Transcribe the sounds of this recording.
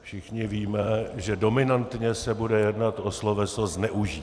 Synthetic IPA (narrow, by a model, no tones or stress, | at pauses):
fʃɪxɲɪviːmɛʒɛdo̞mɪnant̪ɲɛsɛbudɛjɛdnat̪ʔoslovɛsoznɛʔuʒiː